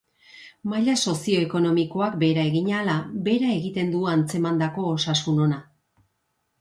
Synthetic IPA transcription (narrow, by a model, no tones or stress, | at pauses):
majʎaso̞sio̞e̞ko̞no̞miko̞akbe̞ɾae̞ɣiɲalabe̞ɾae̞ɣit̪e̞nd̪uant͡se̞mand̪ako̞ːsasuno̞na